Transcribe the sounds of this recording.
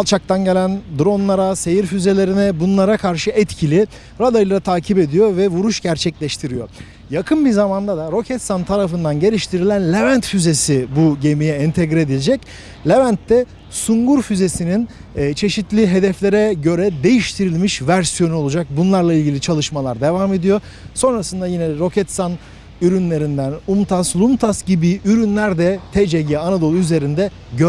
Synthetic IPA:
lˠt͡ʃʰak̚t̪ʰanɟe̞lʲænd̪ɾo̞nlˠaɾase̞jiɾfyze̞lʲe̞ɾinɛbunlˠaɾakʰaɾʃɯʔɛt̪cʰilʲi | ɾad̪ajɯlˠat̪ʰaːcʰipe̞d̪ijo̞vɛvuɾuʃɟæɾt͡ʃʰɛclʲɛʃt̪ʰiɾijo̞̰ | jakʰɯnbizamand̪ad̪aɾo̞cʰɛt̪sant̪ʰaɾafɯnd̪anɟe̞lʲiʃt̪ʰiɾilʲænlʲevænt̪fyze̞sibuɟe̞mijɛint̪ʰɛɡɾe̞d̪ilʲd͡ʒɛc | lʲevænt̪ːɛ | suŋɡuɾfyze̞sininː | t͡ʃʰe̞ʃit̪lʲiɦe̞d̪ɛflʲe̞ɾɛɟø̞ɾɛd̪e̞jiʃt̪ʰiɾilʲmiʃvæɾsijo̞nuo̞lˠud͡ʒak̚bunlˠaɾlˠailʲɟilʲit͡ʃʰalˠɯʃmalˠaɾd̪e̞vaːme̞d̪ijo̞ | so̞nɾasɯnd̪ajinɛɾo̞cʰɛt̪san | yɾynlʲe̞ɾind̪ænumt̪ʰaslˠumt̪ʰasɟibiʔyɾynlʲæɾd̪ɛt̪ʰed͡ʒeɟianad̪o̞lˠuyze̞ɾind̪ɛ | ɟø

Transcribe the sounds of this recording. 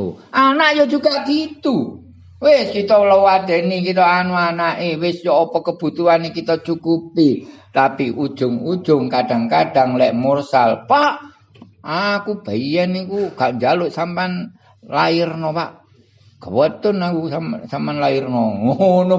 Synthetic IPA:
ʔanaʔjɔd͡ʒuɡaɡ̥it̪u | wɪskit̪ɔləwad̪̥e̤nikit̪ɔanuanaʔewɪsjɔːpɔkəb̥ṳt̪uanikit̪ɔt͡ʃukupit̪apiʔud̥ʒ̥ʊŋu̥ʒ̥ʊŋkaɖ̥aŋkaɖ̥aŋlɛʔmursalpahʔ | akub̥aijanikuɡ̥aʔɲd͡ʒalʊʔsampan | lajɪrnɔpaʔ | ɡ̥ə̤wət̪ʊnakusamsampanlaɪrnɔŋonɔ

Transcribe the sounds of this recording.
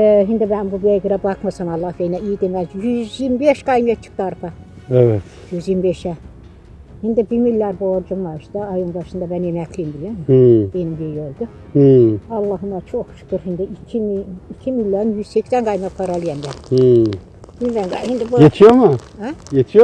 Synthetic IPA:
ɦind̪ibænbubiajɡɯɾabakmasamɑlˠːɑhbejnɛijid̪emæzjyzjiɾmibeʃɡajmjat͡ʃʰɯ̥k̚t̪aɾpʰa | evɛt̪ | jyzjiɾmbeʃɛ | hind̪ibimilʲːaɾboɾd͡ʒumaʃd̪aajumbaʃɯnd̪abænjemækʰlijimbilʲiomhb̥enimbijølʲd̪y | h̩ɑlˠːɑːɦɯmat͡ʃʰokʃɯ̥kɯɾɦind̪iicʰimiicʰimilʲːaɾɯnjyz̥seksænɡajmakʰaɾalˠijɛnd̪æh̩ | hinbænɡahind̪ibujet̪ʰijomuhajet̪ʰijo

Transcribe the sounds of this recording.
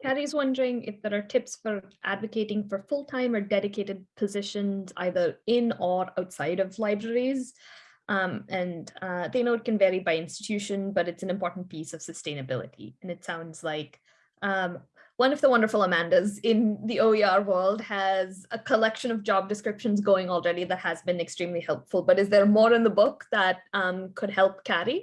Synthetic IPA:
kʰæɾizwʌ̃ndə˞ɪ̃ŋɪ̰fðə˞ə˞tʰɪpsfə˞ʔæ̰dvɨkʰeɪɾɪ̃ŋfə˞fʊlˠtʰãɪ̃mə˞dɛɾɨkʰeɪɾɨd̚pʰɨzɪʃɨ̃nza̰ɪðə˞ɪ̃nə˞aʊtsaɪɾʌvlaɪbɹɛɹiz | ʔʌ̃mʔɨ̃nʌðeɪnoʊɨt̚kɨ̃nvɛɹibaɪɪ̃nstɨ̥tʰʉʃɨ̃nbʌɾɨtsn̩ɨ̃mpʰɔɹʔn̩pʰisʌv̥sɨstẽɪ̃nɨbɪ̰lˠə̰ɾḭɨ̃nɨtsãʊ̃ndz̥laɪk | ʌ̃m | wʌ̃nʌvðəwʌ̃ndə˞fl̩ˠəmæ̃ndɨzɪ̃nðioʊiɑɹwɜ˞lˠd̚ɨzəkʰəlɛkʃɨ̃nʌvd͡ʒɑb̚dɨskɹ̥ɪpʃɨ̃nzɡoʊɪ̃ŋɔlˠɹɛɾiðɨt̚hɨzbɨ̃nɨkstɹ̥ĩmlihɛlˠpfl̩ˠbʌɾɨzðə˞mɔɹɨ̃nðəbʊk̚ðət̚ʌ̃mkʰɨd̚hɛlˠp̚kʰæɾi

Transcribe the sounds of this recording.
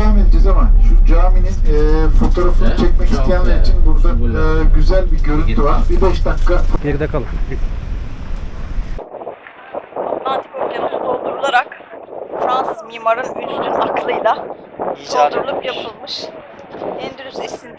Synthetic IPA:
amind͡ʒizamanʃud͡ʒaːmininɛːfo̞t̪ʰo̞ɾafɯnɯt͡ʃʰɛcmɛcist̪ʰijænlːʲɛɾit͡ʃʰinbuɾd̪aːɟyzælʲbiɟø̞ɾynt̪ʰyvaɾbibɛʃd̪akːat̪ʰeɾd̪akʰalˠa | ot̪lˠant̪i̥koɾkʰanɯnd̪olˠd̪uɾulˠaɾak | fɾansɯzmimaɾɯnyt͡ʃt̪ʰynaklˠɯjlˠa | d̪uɾlˠɯpjapʰɯlˠmɯʃ | ɛnd̪yɾyzɛsin

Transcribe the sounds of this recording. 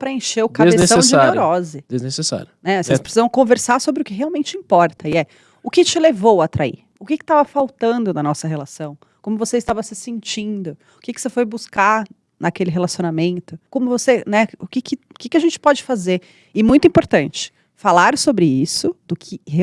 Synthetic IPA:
pɾɐẽʃeɾʊkaezsesɐ̃sd͡ʒɪaɾɾɔzɪd̪eznesesa̰ɾʊnɛosespɾesizɐ̃w̃kõveɾsaɾsobɾɪʊkɪɦeawmẽnt͡ʃɪĩpɔɾt̪ɐɪɛ | ʊkɪt͡ʃɪlevowɐt̪ɾaḭɾ | ʊkɪkɪ̥t̪avɐfawt̪ɐ̃nd̪ʊnɐnɔsɐɦelasɐ̃w̃ | kõmʊvoseɪst̪avɐsɪsẽnt͡ʃĩnd̪ʊ | ʊkɪkɪ̥osefojbuskaɾ | nɐkelɪɦelasionamẽnt̪ʊkõmʊvosenɛʊkɪkɪkɪkɪɐʒẽnt͡ʃɪ̥pɔd͡ʒɪfazeɾ | ɪmũj̃t̪ʊuĩpoɾt̪ɐ̃nt͡ʃɪ̥ | falaɾsobɾɪisʊd̪ʊkʰɪhe

